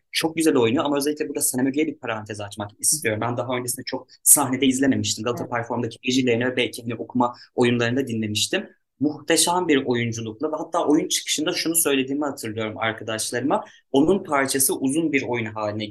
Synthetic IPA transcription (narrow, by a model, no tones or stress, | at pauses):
t͡ʃʰo̞k̚ɟyzælʲo̞jnujoamaø̞zelʲiclʲɛbuɾd̪aseemøɡyjɛbiɾpʰaɾant̪ʰɛzat͡ʃmakist̪ʰijo̞ɾumbænd̪aɦaø̞nd͡ʒeind̪ɛt͡ʃʰo̞k̚saɦne̞d̪ɛizlʲeme̞miʃt̪ʰimɡalˠɯt̪ʰapʰæɾfo̞ɾmd̪acʰived͡ʒilʲeɾinɛvɛbɛlʲcʰiɦaniʔo̞kʰumao̞junlˠaɾɯnd̪ad̪inlʲe̞miʃt̪ʰimː | uxt̪ʰeʃambiɾo̞jund͡ʒulˠuklˠavɛɦat̪ʰːaːʔo̞junt͡ʃʰɯ̥kʰɯ̥ʃɯnd̪aʃunusø̞jlʲe̞d̪iːmihat̪ʰɯɾlˠɯjo̞ɾuma̰ɾkʰad̪aʃlˠaɾɯma | o̞nunpʰaɾt͡ʃʰasɯʔuzunbiɾo̞junɦaːlʲinɛ